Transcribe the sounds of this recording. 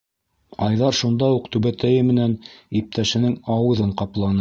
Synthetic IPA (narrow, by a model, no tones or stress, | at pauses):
ɑjðɑɾʃund̪ɑuqt̪ʉβæt̪æjɘmɘ̆nænip̚t̪æʃɘ̆nɘŋɑwɤ̆ðɤɴqɑplˠɑnɤ